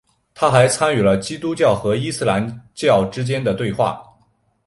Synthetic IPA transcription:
t̪ʰa˥xa˧˥ɪt͡sʰa˥ny˨˩lə˦t͡ɕi˥t̪u˥t͡ɕjɑ˥˩ʊxɤ˧˥i˥sɹ̩˥˧la˧˥nt͡ɕjɑ˥˩ʊʈ͡ʂɻ̩˥t͡ɕjɛ˥nd̪ə˨t̪we˥˧ɪxwa̰˥˩

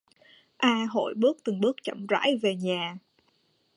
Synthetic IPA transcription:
ʔaː˧ɦo̰˧˨jɓɨ˦˥ək̚t̪ɨ˨˩ŋɓɨ˦˥ək̚t͡ɕə̰˧˨mza̰ː˧˥jve˨˩ɲaː˨˩

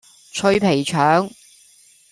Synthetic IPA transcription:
t͡ʃʰɵ˧ɥpʰe˨˩jt͡ʃʰœː˨˥ŋ

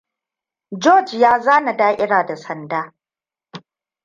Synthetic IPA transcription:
d͡ʒoː˦˨d͡ʒjaː˦zaː˦na˨daː˦ʔʲɪ˦ɽaː˨da˨sɐ˨ndaː˦

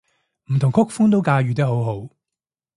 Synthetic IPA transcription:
m̩˨˩t̪ʰʊ˨˩ŋkʰʊ˥k̚fʊ˥ŋt̪̬o˥wkaː˧jyː˨t̪̬ɐ˥ɦo˨˥wɦo˨˥w

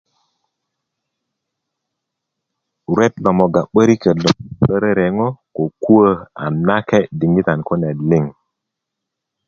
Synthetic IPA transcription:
ɾwe˦t̚lo˨mo˨ɡa˨ɓə˦ɾi˦kə˨lo˨ɓə˦ɾə˦ɾe˨ŋo˦ko˨ku˦ə˦a̰˨na˦ke˦di˨ŋi˦ta˨nko˦ne˨dli˦˨ŋ

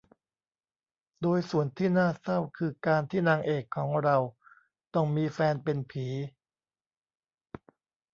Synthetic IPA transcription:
doː˧jsu˨˩ənt̪ʰiː˥˩naː˥˩sa˥˩wkʰɯː˧kaː˧nt̪ʰiː˥˩naː˧ŋʔeː˨˩kʰːɔː˩˦ŋɾa˧w | t̪ɔ˥˩ŋmiː˧fɛː˧npe˧npʰiː˩˦

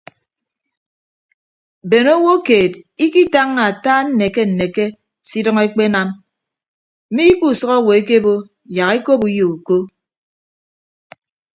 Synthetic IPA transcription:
be˨no˦wo˦keː˨ti˦ki˦ta˦ŋːa˨a˨taː˦n̩˦ne˨ke˦n̩˨ne˨ke˦ | si˦dʌ˦ŋe˦k͡pe˦na˦m | m̩˦mi˦ku˨sʌ˦ɣɔ˦˨wo˨e˦ke˦bo˦ | ja˨ɣe˦ko˦pu˦jo˨u˨ko˦

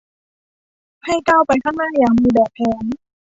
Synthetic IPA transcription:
ha˥˩jt͡ɕa˥˩wpa˧jkʰaː˥˩ŋnaː˥˩jaː˨˩ŋmiː˧bɛː˨˩p̚ʰːɛː˨˧˦n

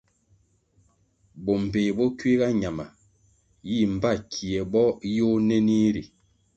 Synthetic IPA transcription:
bɔ˨m̩˨be˨bɔ˦kɥi˦ɣa˦ɲa˨ma˨ | ji˦˨m̩˨ba˦˨kʰi˨ɛ˨bɔ˦jo˦ne˦ni˦ɾi˨

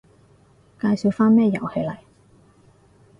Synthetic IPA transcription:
kaː˧jsi˨˧wfaː˥nmɛː˥jɐ̰˨˩whe˨˧jlɐ˨˩j

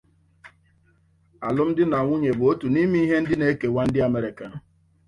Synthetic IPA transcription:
a̰˨lʊ˦m̩˦dɪ˦na˨ŋʷʊ˦ɲe˨bʊ˨o˦tu˨ni˦mi˦i˦ɦe˦n̩˦dɪ˦ne˦ke˨wʷa˦n̩˦dɪ˦a˨me˦ɾɪ˨ka˨n̩˨

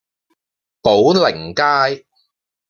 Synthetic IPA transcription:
po˨˥wlɪ˨˩ŋkaː˥j

